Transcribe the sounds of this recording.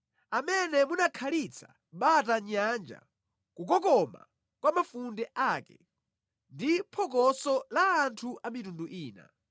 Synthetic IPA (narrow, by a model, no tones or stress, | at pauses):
amɛnɛmunakʰalit͡sʰḁ̰ | ɓataɲand͡ʒa̰ | kuk̬ɔkɔma̰ | kwamafundɛʔaːkɛ̰ | ndipʰɔk̬ɔsɔlaːntʰuʔamitunduʔiːna̰